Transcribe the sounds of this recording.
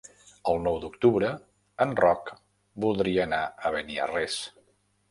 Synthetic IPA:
əlˠnɔwd̪uk̚t̪uβɾə | ənrɔk | bulˠd̪ɾiəːnaəβəniə̰rɛs

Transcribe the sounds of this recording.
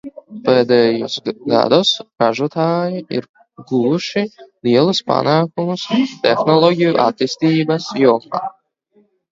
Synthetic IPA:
pɛːd̪ɛjosɡa̰d̪ɔsɾaʒuɔt̪aːjiḭɾ | ɡuvuʃiliɛlˠuspa̰naːkumust̪ɛxnɔlˠɔɡʲijuʔa̰t̪iːst̪iːbɐsjɔmaː

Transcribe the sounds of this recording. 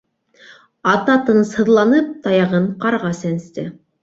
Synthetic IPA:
ɑt̪ɑt̪ɤnshɤ̆ðlˠɑnɤp̚t̪ɑjɑʁɤɴqɑɾʁɑsænst̪ɘ

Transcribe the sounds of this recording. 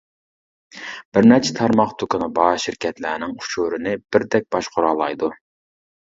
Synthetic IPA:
b̥ɪɾnæɾt͡ʃʰɛt̪ʰɑɾmɑχt̪ʰukʊnɨbɑːʃɪɾkʲʰɛt̪læːnɪŋʰu̥ʃuːɾɪnɪb̥ɪɾd̪ɛk̚ʲb̥ɑʃqʰʊɾɑːlˠɑ̰jd̪u

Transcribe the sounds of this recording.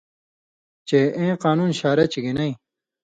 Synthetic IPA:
t͡ɕeʔẽːqaːnuːnɕaːɾɐt͡ɕiɡinɐĩ

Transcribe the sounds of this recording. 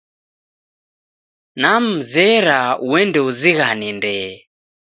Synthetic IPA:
nam̩zɛɾauwɛndɛuziɣanindɛ

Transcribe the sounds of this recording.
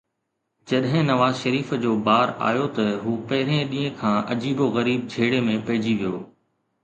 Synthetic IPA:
d͡ʑɐɗɦɪ̃nɐʋaːzʃɐɾiːfd͡ʑoːbaːɾa̰ːjot̪ɐɦuːpɐɦɪɾẽɗĩːɦẽkʰãːʔɐd͡ʑiːboɣɐɾiːb̚d͡ʑʱeːɽemẽpɐɦɪd͡ʑiʋijoː

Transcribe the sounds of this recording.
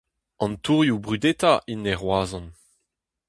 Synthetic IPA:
ɑ̃nt̪uʁjubʁyd̪et̪aʔineʁwaːzɔ̃n

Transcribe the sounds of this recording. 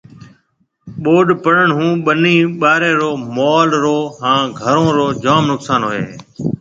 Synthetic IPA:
ɓoːɖpəɽəɳɦũːɓəniːɓaːɾẽːɾoːmɔːlɾoːɦãːɡʱəɾõːɾoːd͡ʒaːmnʊksaːnɦoːḛː

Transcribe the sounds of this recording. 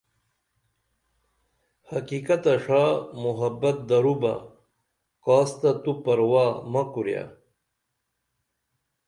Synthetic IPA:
hɐkikɐt̪ɐʂamuɦɐbɐt̪̚d̪ɐɾuba̰ | kaːst̪ɐt̪upɐɾwaːmɐkuɾja̰

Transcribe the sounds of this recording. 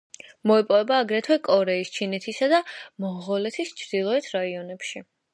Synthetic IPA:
mɔɛpʼɔvɛbaːɡɾɛt̪ʰwɛkʼɔɾɛist͡ʃʰinɛt̪ʰisad̪amɔʁɔlɛt̪ʰist͡ʃʰɾd̪ilˠɔɛt̪ʰɾaiɔnɛpʃi

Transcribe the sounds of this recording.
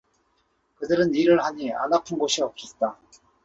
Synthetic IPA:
kɯdɯɾɯniɾɯɭhaɲia̰napʰɯnɡoɕʰiʌp̚s͈et̚t͈a

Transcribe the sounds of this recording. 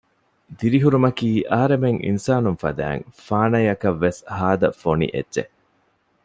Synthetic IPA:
d̪iɾiɦuɾumɐkiːʔɐɦɐɾemeŋʔḭnsaːnunfɐ̰d̪æ̰ːŋfaːnɐjɐkɐʋːeshaːd̪ɐfonḭʔḛdːʒḛ

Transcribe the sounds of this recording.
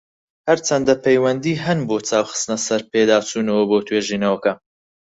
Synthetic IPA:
hɐɾt͡sʰɐnd̪ɐpʰejwɐnd̪iːɦɐnboːt͡saːwχɨ̥st̪nɐsɐɾpeːd̪aːt͡sʰuːnɐwɐboːt̪ʰweːʒiːnɐwɐkɐ

